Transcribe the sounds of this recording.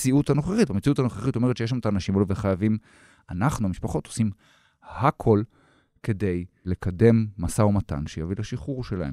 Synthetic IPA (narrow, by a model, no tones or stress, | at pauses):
t͡siutano̞χeχit̚bamet͡siutanoχeχit̪o̞me̞ʁtʃejeʃlamt̪aːnaʃimaloveχajavim | anaχnuamiʃpaχo̞t̪osim | hakʰo̞l | ke̞de̞jle̞kʰade̞mːasaomata̰nʃejavilaʃiχuʁʃelaem